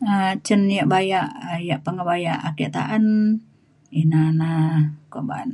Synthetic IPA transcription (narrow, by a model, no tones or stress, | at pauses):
ət͡ʃənjaʔbajaʔjaʔpəŋəbajaʔaket̪a̰ʔan | inanakoba̰n